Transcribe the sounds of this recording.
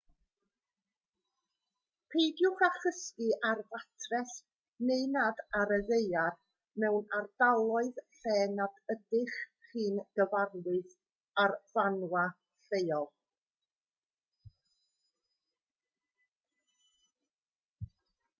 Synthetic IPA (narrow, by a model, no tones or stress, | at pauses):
pʰejdjʊχaχəskɨʔarvatʰrɛs | nejnadaɾəðejar | mɛwnardalˠɔɨðɬɛːnadədɪχχiːnɡ̥əvarlˠɨɨθ | arvanwa | ɬejɔlˠ